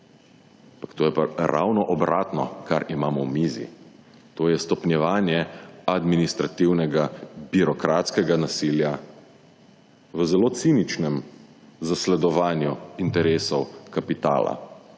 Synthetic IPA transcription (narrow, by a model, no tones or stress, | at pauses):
ampakt̪oːjɛpa̰ɾʔa̰wnɔʔɔbɾaːt̪nɔkaɾimaːmɔwmiːzḭ | t̪oːjɛst̪ɔpnjɛʋaːnjɛad̪minist̪ɾat̪iwnɛɡabiɾɔkɾat̪skɛɡanasilja | ʋəzɛloːt̪siːnit͡ʃnɛm | zaslɛd̪ɔʋaːnjuint̪ɛɾeːsɔwkapit̪a̰ːla̰